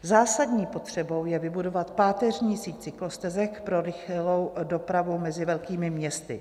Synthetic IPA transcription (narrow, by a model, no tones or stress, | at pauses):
zaːsadɲiːpo̞t̪r̝̥ɛbo̞wjɛvɪbudo̞vat̪paːt̪ɛrɲiːsiːct͡sɪklost̪ɛzɛkpɾo̞ɾɪxlowdo̞pɾavumɛzɪvɛlkiːmɪmɲɛst̪ɪ